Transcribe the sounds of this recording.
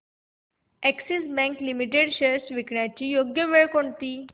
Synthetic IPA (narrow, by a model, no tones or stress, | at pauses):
ɛksisbæ̃ŋklimiʈeɽɕeɾsʋikɳjat͡ɕiːjoɡjəʋeɭkoɳt̪iː